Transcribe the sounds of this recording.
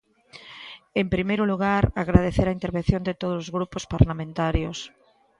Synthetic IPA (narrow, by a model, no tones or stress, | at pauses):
empɾimejɾoluɣ̞aɾaɣɾaðeθeɾaint̪eɾβenθjond̪et̪oð̞osozɣɾupospaɾlamẽnt̪aɾjos